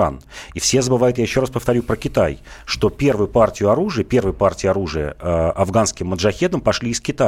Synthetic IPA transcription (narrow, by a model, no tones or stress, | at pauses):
a̰nifsʲezəbɨvajʊt̪jajɪɕːo̞ɾaspəft̪ɐɾʲupɾəkʲɪt̪ajʂt̪o̞pʲe̞rvɨjʊpartʲɪjʊɐɾuʐɨjəpʲe̞rvɨjəpartʲɪjɐɾuʐɨjə̰ɐvɡanskʲɪmːəd̪ʐɐxʲe̞d̪əmpɐʂlʲiːɪskʲɪt̪a